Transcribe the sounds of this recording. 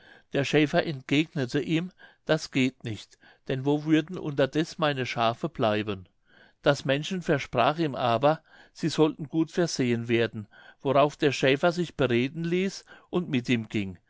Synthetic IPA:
d̥eːɐʃɛːfɐʔɛntɡ̥eːɡnətʰəʔiːmd̥asɡ̥eːtnɪçt | d̥ɛnvoːvʏɐdn̩ʔʊ̰ntɐdɛsmaɪnəʃaːfəb̥laɪbən | d̥asmɛnʃn̩fɛɐʃpʁ̥aːχiːmʔaːbɐ | z̥iːzɔltn̩ɡuːtfɛɐz̥eːənveːɐdn̩voʁaʊfd̥eːɐʃɛːfɐzɪçb̥əʁeːdn̩liːsʔʊntmɪtiːmɡ̥ɪŋ

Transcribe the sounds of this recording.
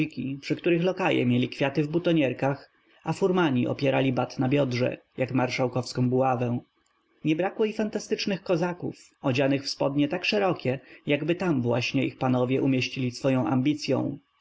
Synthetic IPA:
ikʲipʂɘkt̪uɾɘxlɔkajɛ̰mʲjelʲikfʲjat̪ɘvbut̪ɔɲɛɾkax | afuɾmaɲiʔɔ̰pʲjɛɾalʲibat̪nabʲjɔdʐɛ̰jakmaɾʂawkɔfskɔ̃w̃buavɛw̃ | ɲɛbɾakwɔifant̪ast̪ɘt͡ʂnɘxkɔzakṵf | ɔd͡ʑanɘxfspɔd̪ɲɛt̪akʂɛɾɔkʲɛjaɡbɘt̪amvwaɕɲɛʔixpanɔvʲjɛʔumʲjeɕt͡ɕilʲisfɔjɔ̃w̃ʔa̰mbʲit̪sʲjɔ̰̃w̃

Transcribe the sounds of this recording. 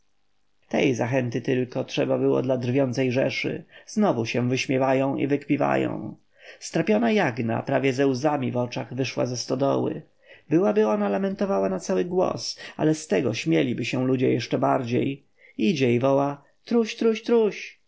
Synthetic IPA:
t̪ɛ̰jzaxɛnt̪ɘt̪ɘlkɔtʂɛbabɘwɔ̰d̪lad̪rvʲjɔnt̪sɛjʐɛʂɘ̰z̥nɔvuɕɛ̃vɘɕmʲjɛvajɔ̃w̃ḭvɘkpʲiva̰jɔ̰̃w̃ | st̪ɾapʲjɔnajaɡna̰pɾavʲjɛzɛwzamʲivɔt͡ʂaɣvɘʂwa̰zɛst̪ɔd̪ɔwɘ̰ | bɘwabɘɔnalamɛnt̪ɔvawanat̪sawɘɡwɔ̰sa̰lɛst̪ɛɡɔɕmʲjɛlʲibɘɕɛ̃lud͡ʑɛjɛʂt͡ʂɛbaɾd͡ʑḛj | id͡ʑɛivɔwa | t̪ɾuɕt̪ɾuɕt̪ɾuɕ

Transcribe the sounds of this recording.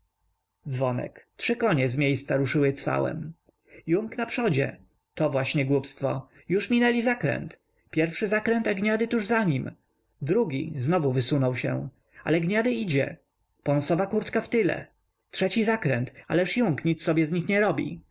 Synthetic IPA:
d̪zvɔnɛ̰ktʂɘkɔɲɛzmʲjejst̪saɾuʂɘwɘt̪sfa̰wɛ̰m | juŋknapʂɔd͡ʑɛ̰ | t̪ɔvwaɕɲɛɡwupst̪fɔ | juʂmʲinɛlʲizakɾɛ̰nt̪ | pʲjɛɾfʂɘzakɾɛnt̪aɡɲad̪ɘt̪uʐzaɲim | d̪ɾuɡʲḭznɔvuvɘsunɔwɕɛ̰̃ | a̰lɛɡɲad̪ɘid͡ʑɛ̰ | pɔ̃nsɔvakuɾt̪kaft̪ɘlɛ̰ | tʂɛt͡ɕizakɾɛnt̪a̰lɛʂjuŋkɲit̪sːɔbʲjɛzɲixɲɛɾɔbʲḭ

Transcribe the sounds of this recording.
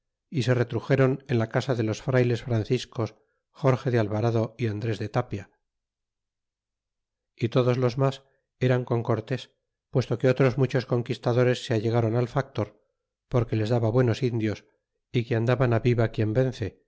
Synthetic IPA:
ise̞re̞t̪ɾuxe̞ɾo̞nenlakasaðe̞lo̞sfɾajle̞sfɾan̟θisko̞s | xo̞ɾxe̞ðealβaɾaðo̞iand̪ɾe̞zðe̞t̪apja | it̪o̞ðozlo̞zmas | e̞ɾaŋko̞ŋko̞ɾt̪e̞s | pwe̞st̪o̞ke̞ot̪ɾo̞zmut͡ʃo̞sko̞ŋkist̪aðo̞ɾe̞sːeaʎeɣ̞aɾo̞nalfak̚t̪o̞ɾ | po̞ɾke̞le̞zðaβaβwe̞no̞sind̪jo̞s | ikeand̪aβanaβiβakje̞mbe̞nθe̞

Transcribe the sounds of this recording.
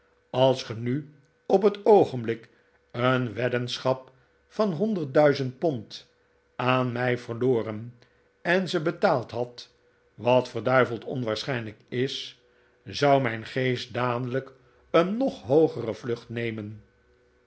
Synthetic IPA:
ɑlˠsχəny | ɔp̬ɦətowχənblɪk | ənʋɛdənsχɑp̚ | fɑnɦɔndəɹt̚dœɥzənt̚pɔnt | aːnmɛjvərloːrən | ɛnzəbətaːlˠtɦɑt | ʋɑtfərdœɥvəlˠtɔ̰nʋaːɹsχɛjnləkɪs | zɑwmɛjnχejst̚daːdələk | ənːɔχɦowχərəvlɵχtnejmən

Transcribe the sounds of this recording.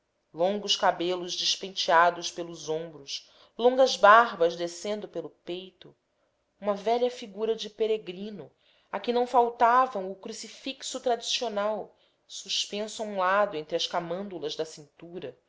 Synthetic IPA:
lõŋɡʊʃkabelʊʒd͡ʒɪʃpẽnt͡ʃiad̪ʊʃpelʊzõmbɾʊʃ | lõŋɡɐzbaɦbɐzd̪esẽnd̪ʊpelʊpejt̪ʊ | ũmɐvɛʎɐfiɡuɾɐd͡ʒɪpeɾeɡɾĩnʊ | akɪnɐ̃w̃fawt̪avɐ̃w̃ʊkɾusifiksʊt̪ɾad͡ʒisionaw | suʃpẽsʊaũlad̪ʊẽnt̪ɾɪɐskamɐ̃nd̪ulɐzd̪ɐsĩnt̪uɾɐ

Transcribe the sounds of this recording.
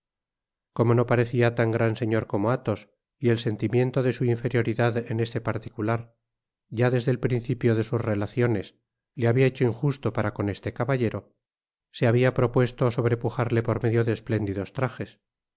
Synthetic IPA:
ko̞mo̞no̞paɾe̞θiat̪aŋɡɾanse̞ɲo̞ɾko̞mo̞at̪o̞s | ie̞lse̞nt̪imje̞nt̪o̞ðe̞suiɱfe̞ɾjo̞ɾiðaðe̞ne̞st̪e̞paɾt̪i̥kulaɾ | ʝaðe̞zðe̞lpɾinθipjo̞ðe̞suzre̞laθjo̞ne̞s | le̞aβiaet͡ʃoiŋxust̪o̞paɾako̞ne̞st̪e̞kaβaʎe̞ɾo̞ː | e̞aβ̞iapɾo̞pwe̞st̪oso̞βɾe̞puxaɾle̞po̞ɾme̞ðjo̞ðesple̞nd̪iðo̞st̪ɾaχes

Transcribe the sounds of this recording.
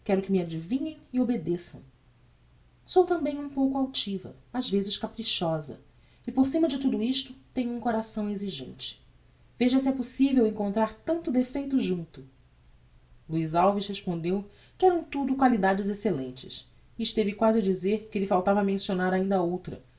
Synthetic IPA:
kɛɾʊkɪmɪad͡ʒivĩɲẽj̃iobed̪esɐ̃w̃ | sowt̪ɐ̃mbẽj̃ũpowkʊawt͡ʃivɐ̰azvezɪʃkapɾiʃɔzɐ̰ | ɪpoɾsĩmɐd͡ʒɪt̪ud̪ʊiʃt̪ʊt̪ẽɲʊũkoɾasɐ̃w̃eziʒḛ̃nt͡ʃɪ̥ | veʒɐsɪɛposivewẽŋkõnt̪ɾaɾt̪ɐ̃nt̪ʊd̪efejt̪ʊʒũnt̪ʊ | luizawviʃheʃpõnd̪ew | kɪɛɾɐ̃w̃t̪ud̪ʊkwalid̪ad͡ʒɪzeselḛ̃nt͡ʃɪ̰sː | ʃt̪evɪkwazɪad͡ʒizeɾkɪlɪfawt̪avɐmẽsionaɾaĩnd̪ɐowt̪ɾɐ̰

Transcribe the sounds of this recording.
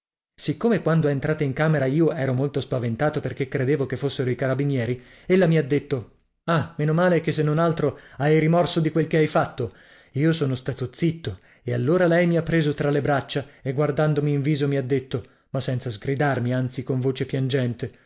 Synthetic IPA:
sikːomekwand̪oɛent̪ɾaːt̪aiŋkaːmeɾaiːoʔɛːɾomolt̪ospavent̪aːt̪operkekːɾed̪eːvokefːosːeɾoikaɾabinjɛːɾi | elːamiad̪ːet̪ːo | ameːnomaːlekesːenːonalt̪ɾoajɾimɔrsod̪ikwelkeajfat̪ːo | iːosoːnost̪aːt̪ot̪sit̪ːo | ealːoːɾalɛjmiapːɾeːzot̪ɾalebɾat͡ʃːaeɡward̪and̪omiːɱviːzomiad̪ːet̪ːo | masːɛnt̪sazɡɾid̪armiant̪sikoɱvoːt͡ʃepjand͡ʒɛnt̪e

